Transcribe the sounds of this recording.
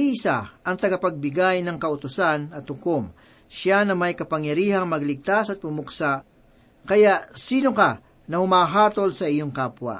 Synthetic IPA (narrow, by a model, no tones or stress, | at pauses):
iʔɪsaʔɐŋt̪ɐɡɐpɐɡ̚bɪɡajnɐŋkɐʊt̪ʊsanɐt̪hʊkom | ʃanɐmɐjkɐpɐŋjɐɾiːhɐŋmɐɡlɪɡ̚t̪asɐt̪̚pʊmʊksa | kɐjaʔsiːnokɐ | nɐhʊmaːɦaːt̪o̞lsɐʔɪjoŋkaːpwɐ̰